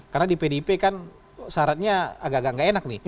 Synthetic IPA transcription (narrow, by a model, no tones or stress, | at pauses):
karnadipedepekan | saɾat̪̚ɲaaɡaɡaʔŋɡaʔenak̚nih